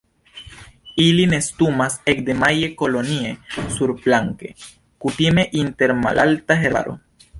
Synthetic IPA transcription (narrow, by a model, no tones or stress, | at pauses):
iline̞st̪umasek̚d̪e̞maje̞ko̞lo̞niesuɾplaŋke̞ | kutime̞ʔinte̞ɾma̰lʔa̰ltaɦeɾa̰ɾo̰